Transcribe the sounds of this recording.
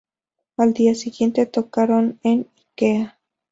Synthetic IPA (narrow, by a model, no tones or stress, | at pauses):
ald̪iasiɡjent̪et̪okaɾonenikea